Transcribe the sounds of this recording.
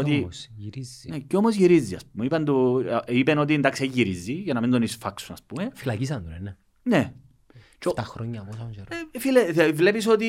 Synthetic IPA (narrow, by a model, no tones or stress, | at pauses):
ot̪iiɾizneceomozʝiɾizːiɐ̰spumeipɐnd̪uipeno̞t̪̬iend̪ɐksiejʝːiɾizːiʝɐnɐmind̪onisfɐksunɐspumefilɐcis̬ɐnd̪unene | ne | t͡ʃot̪ɐxɾoɲːɐposɐnseɾefilevle̞piso̞t̪i